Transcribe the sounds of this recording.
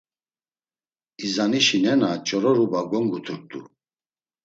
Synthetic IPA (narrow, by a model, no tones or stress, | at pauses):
izaniʃinɛnat͡ʃʼɔɾɔɾubaɡɔŋɡut̪ʰuɾk̚t̪ʼṵ